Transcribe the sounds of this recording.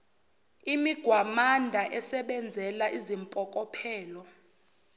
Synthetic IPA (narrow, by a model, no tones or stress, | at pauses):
imiɡ̥ʱwamandʱaʔɛsɛɓɛnd͡zʱɛlaʔizimpʼɔkʼɔpʰɛːlɔ